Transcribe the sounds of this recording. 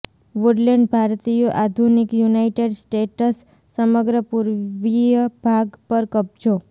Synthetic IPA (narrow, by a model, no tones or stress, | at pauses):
ʋuɖleɳɖbʱaɾt̪ijoʔad̪ʱunikjunaiʈeɖsʈeʈəsː | əməɡɾəpuɾʋijəbʱaɡpəɾkəb̚d͡ʒo